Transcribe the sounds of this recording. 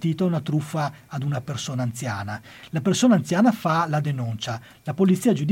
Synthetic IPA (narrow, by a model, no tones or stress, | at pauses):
t̪iːt̪aunat̪ɾufːaːd̪unapersoːnaːnt̪sjaːna | lapersoːnaːnt̪sjaːnafalad̪enunt͡ʃa | lapolit̪siːad͡ʒud̪